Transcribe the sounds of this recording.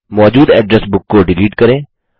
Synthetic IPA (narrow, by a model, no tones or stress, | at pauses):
mɔːd͡ʒuːd̪ɛːɖɾɛsbʊkːoɖɪliːʈkəɾẽː